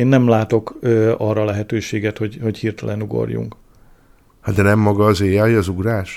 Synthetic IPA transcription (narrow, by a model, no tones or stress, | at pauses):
nːɛmlaːt̪o̞køːɒrːɒlɛɦɛt̪øːʃeːɡɛt̪ho̞ɟho̞chirt̪ɛlʔɛnuɡo̞̰rjṵŋk | had̪ɛnɛmːɒɡɒːzeːjaːjɒzuɡraːʃ